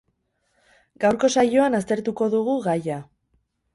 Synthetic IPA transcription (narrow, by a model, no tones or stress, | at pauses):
ɡawɾko̞sajo̞anast̪e̞ɾt̪uko̞ðuɣ̞uɣaja